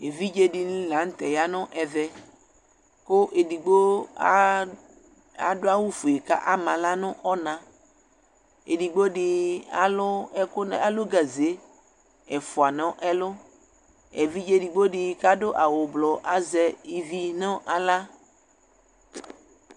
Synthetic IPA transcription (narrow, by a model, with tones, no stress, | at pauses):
e˨vi˦d͡ʒe˦di˨nĩ˦lã˨˦ŋ̩˦t̪ɛ˨ja˦nɔ̃˦ʔɛ˨vɛ˨ | ko˦ʔe˨di˨ɡ͡bo˦ | a˨dʊ˦a˦wu˦fu˨e˨ka̰˦ʔa˦mã˨la˦nʊ̃˦ʔɔ˦nã˨ | ḛ˨di˨ɡ͡bo˦ɖɪ˨a˦lʊ˦ɛ˦kʊ˦n˨a˨lo˦ɡa˨ze˨˦ | ɛ˨fʊ˨a˨nɔ̃˦ʔɛ˦lʊ˦ | e˨vi˦d͡ʒe˦di˨ɡ͡bo˦ɖɪ˨ka˦dʊ˦ʔa˨wʊ˨blɔ˨ʔa˦zɛ˦i˨vi˦nɔ̃˦ʔa˨la˦